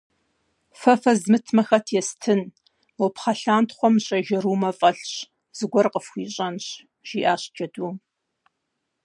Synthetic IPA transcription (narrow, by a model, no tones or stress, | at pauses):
fɐfɐzmɨtʰmɐxɐtʰjɛstʰɨn | wɔpχɐɬaːntʰχʷɔmɕʼɐʒɐɾuːmɐfʼɐɬɕ | z̥ɨɡʷɔrqəfxʷiːɕʼɐnɕ | ʒ̥iːʔaːɕd͡ʒʼɐduː